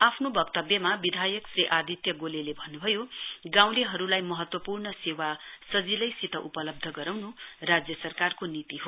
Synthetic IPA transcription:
apʰnobʌkt̪ʌbjʌmabid̪ʱajʌksriʔad̪ʱit̪jʌɡolelebʱʌnːubʱʌjoɡãw̃leɦʌɾulajmʌɦʌt̪wʌpurnʌsewasʌd͡zilʌjsit̪ʌʔupʌlʌb̚d̪ʱʌɡʌɾawnurad͡zjʌsʌrkarkonit̪iɦo

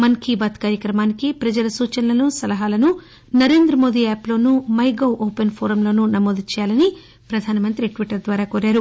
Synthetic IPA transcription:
mɐnkʰiːbaːt̪kaːɾjɐkɾɐmaːnikipɾɐd͡ʒɐlɐsuːt͡ʃɐnɐlɐnusɐlɐɦaːlɐnu | nɐɾe̞ːnd̪ɾɐmo̞ːd̪iaːplo̞ːnumɐjɡɐwʔoːpenpʰoːɾɐmlo̞ːnunɐmoːd̪it͡ʃɛːjaːlɐni | pɾɐd̪ʱaːnɐmɐnt̪ɾiʈʋiʈɐɾd̪ʋaːɾaːkoːɾaːɾu

